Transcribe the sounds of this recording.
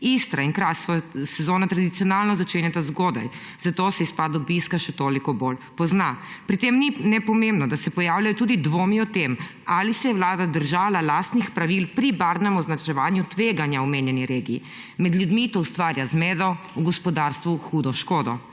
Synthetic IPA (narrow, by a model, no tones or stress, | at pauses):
ist̪ɾainkɾasɔsɛzoːnat̪ɾad̪it̪sijɔnaːlnɔzat͡ʃeːnɛt̪azɡoːd̪a̰j | z̥at̪osɛispad̪ɔbiskaʃɛt̪oːlikɔbolpɔznapɾit̪emninɛpɔmembnɔd̪asɛpɔjaːwljajɔt̪uːd̪id̪ʋoːmiɔt̪em | alisɛjɛʋlaːd̪ad̪əɾʒaːlalaːst̪nixpɾaʋilpɾibaɾnɛmɔznat͡ʃɛʋaːnjut̪ʋeːɡanjaɔmeːnjɛniɾeːɡiː | mɛd̪ljud̪mit̪oust̪ʋaːɾjazmeːd̪ɔ | uɡɔspɔd̪aɾst̪ʋuxuːd̪ɔʃkoːd̪ɔ